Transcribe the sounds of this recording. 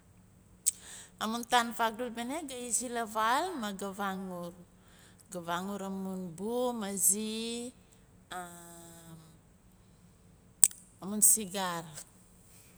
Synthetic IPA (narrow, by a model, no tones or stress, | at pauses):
amuntanfak̚dulbeneɡaizilavalmaɡavaŋuɾ | ɡavaŋuɾamunbumazi | amunsiɡaɾ